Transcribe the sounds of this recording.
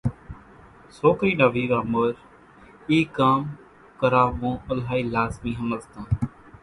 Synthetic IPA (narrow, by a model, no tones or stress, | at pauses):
soːkɾiːɗaːʋiːɾaːməɾ | iːkaːm | kəɾaːmũːəlɦaːiːlaːzmĩːɦəmətt̪ãː